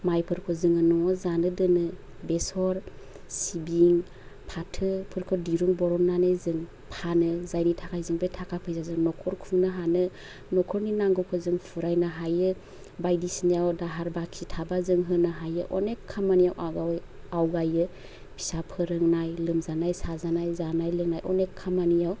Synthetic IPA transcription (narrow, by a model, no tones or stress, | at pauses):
majpʰɯɾkʰɔzɯŋɯnɔŋɔzanɯdɯnɯ | besɔɾ | sibiŋ | pʰatʰɯpʰɯɾkʰɔdiɾuŋbɔɾɔmnanajzɯŋ | pʰanɯzajnitʰakʰajzɯŋbejtʰakʰapʰɯjzazɯŋnɔkʰɔɾkʰuŋnɯɦanɯ | nɔkʰɔɾninaŋɡɯwkʰɯzɯŋpʰuɾajnaɦajɯ | bajdisnijawdaɦaɾbakʰitʰabazɯŋɦɯnaɦajɯ̰ʔɔnekʰːamanijawʔaɡawj | awɡajɯ | pʰi̥sapʰɯɾɯŋnajlɯmzanajsazanajzanajlɯŋnajʔɔnekʰːamanijaw